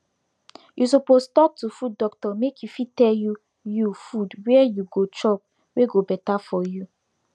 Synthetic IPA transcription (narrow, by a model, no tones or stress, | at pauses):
jʔus̬opostɔk̚tufud̚ɔktɔmekʰjufitɛlju | jufudwɛɛjuɡot͡ʃɔk̚ | weɡobɛtafɔju